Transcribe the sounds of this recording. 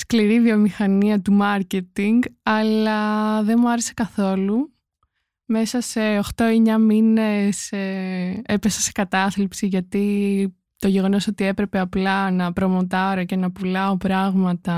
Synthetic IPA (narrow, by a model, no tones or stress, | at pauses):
skliɾiviomixɐniɐt̪umɐɾce̞t̪iŋɡɐlɐðe̞nmuɐɾese̞̥kɐθo̞lu | me̞sɐse̞oxt̪o̞eɲɐmineseepesɐse̞kɐt̪ɐθlipsiʝɐt̪i | t̪o̞ʝe̞ɣo̞no̞so̞t̪ie̞pɾe̞pe̞ɐplɐnɐpɾo̞mo̞t̪ɐɾoce̞nɐpulɐopɾɐɣmɐt̪ɐ